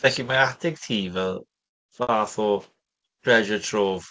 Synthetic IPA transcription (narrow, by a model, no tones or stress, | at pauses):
vɛɬimaadɪɡ̥̚tʰiːvɛlˠ | vaːθɔ | pʰrɛʒətʰroːv